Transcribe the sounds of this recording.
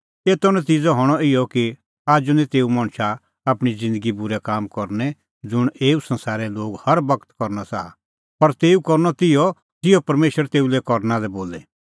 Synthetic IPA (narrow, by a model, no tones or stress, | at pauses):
eːt̪ɔnɛt̪iːd͡zɔɦɔɽ̃ɔɪjɔki | aːd͡ʒunɛ̃t̪eːumɐ̃ɳ̃ʃa | apɽ̃id͡zɪ̃nd̪əɡibʊɾɛkaːmkɔɾnɛ | d͡zʊɽ̃eːusɐ̃nsaːɾɛloːɡhɐɾbɐkt̪kɔɾnasaa | pɐɾt̪eːukɔɾnɔt̪ɪjɔ | t̪ɪjɔpɐɾmeːʃɾəɾt̪eːulɛkɔɾnãlɛboːlɛ